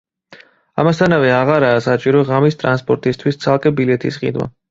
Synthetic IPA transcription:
a̰mast̪ʰanavɛaʁaɾaːsat͡ʃʼiɾɔʁamist̪ʼɾanspʼɔɾt̪ʼist̪ʰwist̪sʰalˠkʼɛbilɛt̪ʰḭsχʼḭd̪wa̰

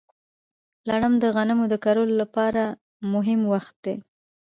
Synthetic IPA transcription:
laɽəmd̪əɣanəmod̪əkaɾololapɑɾa | mʊɦɪmwaxt̪̚d̪e

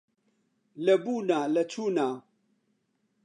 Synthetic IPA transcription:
lɐbuːnaːlɐt͡sʰuːnaː

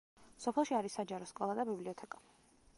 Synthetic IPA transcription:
sɔpʰɛlˠʃiaɾisːad͡ʒaɾɔskʼɔlˠad̪abibliɔt̪ʰɛkʼḁ

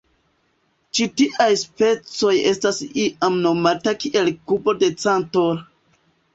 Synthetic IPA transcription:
t͡ʃitiʔajspe̞t͡so̞je̞stasiʔamno̞matakiʔe̞lkubo̞de̞t͡santoɾ

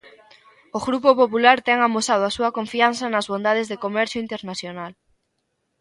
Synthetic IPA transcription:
oɣɾupopopulaɾt̪ɛŋamosað̞oasuɐkoɱfianθɐnɐzβond̪að̞ezðekomɛɾθjoint̪eɾnasθjonal

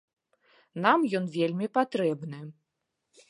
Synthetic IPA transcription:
namjɔnvʲelʲmʲipat̪ɾɛbnɨ

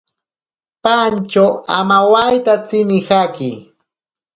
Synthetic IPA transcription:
pant͡ʃawa̰mawajt̪at͡sɪnɪhakɪ

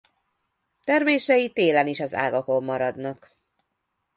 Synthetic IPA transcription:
t̪ɛrmeːʃɛjit̪eːlɛniʃɒza̰ːɡɒko̞mːɒɾɒd̪nɒk

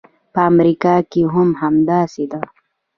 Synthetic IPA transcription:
pəːmɾikɑkiɦʊmɦamd̪asid̪a

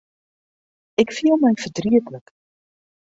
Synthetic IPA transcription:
ɛkfiəlˠmɛjfərdriətlək

